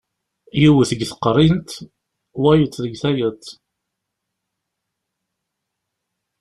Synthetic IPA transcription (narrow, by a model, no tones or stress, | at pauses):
jiwθəɡθə̥qːɾˤint̪ | wæjət͡sːðəɡθæjət̪ː